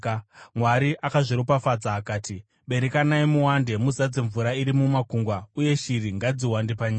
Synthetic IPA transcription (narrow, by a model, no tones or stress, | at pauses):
mwaɾiʔakaʐiɾopafad͡zaːkaːti | ɓe̞ɾekanaimuwande̞muzad͡zeɱvuɾaiɾimumakuŋɡwauje̞ʃiɾiŋɡad͡ziwandepaɲaːa